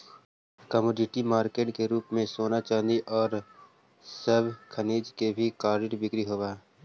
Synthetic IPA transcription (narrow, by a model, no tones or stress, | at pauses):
kəmoːɖɪʈimaːɾkeːʈkeɾuːpmẽsoːnat͡ʃãːnd̪iʔɔːɾ | səbʱkʰəniːd͡ʒkebʱikaːɾɖɪʈbɪkɾiɦoːbaː